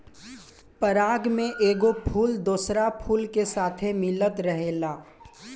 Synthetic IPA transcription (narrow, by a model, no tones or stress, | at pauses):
pəɾaːɡmẽʔeːɡopʰuːld̪oːsɾapʰuːlkesaːt̪ʰemɪlːət̪ɾəɦeːlaː